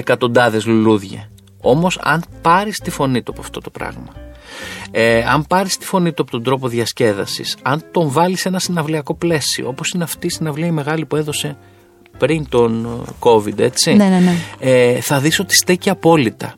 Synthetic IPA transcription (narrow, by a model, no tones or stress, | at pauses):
ekɐt̪o̞nd̪ɐðe̞zluluðʝɐ̰ | o̞mo̞sɐ̰npɐɾist̪ifo̞nit̪uɐpoɐft̪o̞t̪o̞pɾɐ̰ɣmɐ | eɐmpɐɾist̪i̥fo̞nit̪uɐpot̪od̪ɾo̞p̬o̞ðʝɐsce̞ðɐ̰sḭsɐnt̪o̞ɱvɐlise̞nɐsinɐvliɐko̞ple̞sio̰opo̞sineɐft̪iːsinɐvliɐime̞ɣɐlipue̞ðo̞se̞ | pɾint̪o̞nko̞vid̪e̞t͡sinneneθɐðiso̞t̪i̥st̪eciɐpo̞lit̪ɐ̰